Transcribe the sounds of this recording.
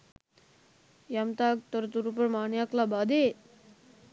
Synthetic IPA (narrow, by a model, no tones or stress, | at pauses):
jamt̪ak̚t̪əɾt̪uɾupəɾmaːɳjaklabad̪e